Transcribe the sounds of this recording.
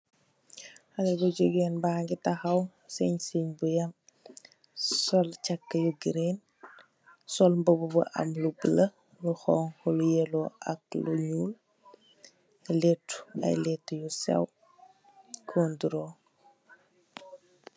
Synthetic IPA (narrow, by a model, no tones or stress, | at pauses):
xɐnɛbɐɟoɡɛːnbaːŋɡitɐxɐw | sɛɲsiɲbujɐm | sɔlt͡ʃɐkːəjuɡiɾeːn | sɔlmbəbubṵʔɐ̰mlubələ | luxɔːŋxɔlujɛlɔɐ̰k̚luɲuːl | lɛtːu̥ɐ̰jlɛtːjusɛ̰w | kʰɔːnduɾɔ